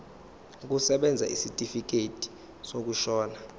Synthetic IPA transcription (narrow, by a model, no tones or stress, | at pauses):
k̬usɛɓɛnd͡zʱa̰ʔisitʼifik̬etʼi̥ | sok̬uʃɔːna